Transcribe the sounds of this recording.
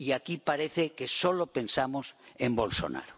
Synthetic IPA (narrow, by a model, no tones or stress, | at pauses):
iakipaɾeθekesolope̞nsamosembo̞lso̰na̰ɾo